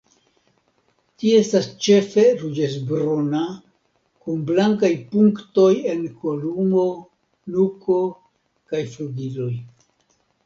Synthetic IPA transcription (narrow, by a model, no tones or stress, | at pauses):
tiestast͡ʃe̞fe̞ɾud͡ʒezbɾona | kunblaŋkajpuŋkto̞je̞nko̞lumo̞ | nuko̞ | kajfludilo̞j